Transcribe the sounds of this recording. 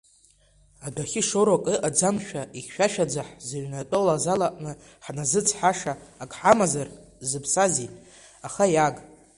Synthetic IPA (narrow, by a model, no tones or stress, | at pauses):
adaχʲiʂoɾakʼɨʔad͡zamʃᶣaʔiχʲʃᶣaʃᶣad͡zaħzaɥnatʼolazalaʔʼnɨ | ħnazɨt͡sʰʼħaʂaːkʰʼħamazarzɨpʰsazi | aχajaɡ